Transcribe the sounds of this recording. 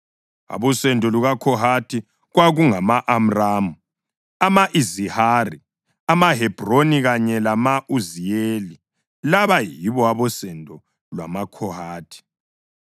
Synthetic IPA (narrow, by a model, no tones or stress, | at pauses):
a̰βɔsɛndʱʼɔluɣakʰɔɦatʰi | ɣwaɣuŋamaʔam̩raːmu | amaʔizihari | amaɦɛb̥ʱroniɣaɲɛlamaʔuzijeːli | laβajiβɔaβɔsɛndʱɔ | lwa̰makʰɔhaːtʰi̥